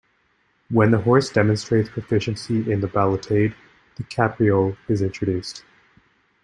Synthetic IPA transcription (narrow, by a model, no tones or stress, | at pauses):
wə̃nðəɦɔɹsd̥ɛmɨ̃nstɹ̥eɪtspʰɹ̥ɨfɪʃɨ̃nsiʔɪ̃nðəbælˠətʰeɪd̪̚ | ðɨkʰæpʰɹiolˠɨzɪ̃nt͡ʃɹ̥ɨdʉst